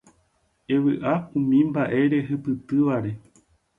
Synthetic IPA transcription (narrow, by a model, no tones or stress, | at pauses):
e̞ʋɨʔaũmĩmbaʔe̞ɾe̞ɦɨpɨt̪ɨʋaɾe̞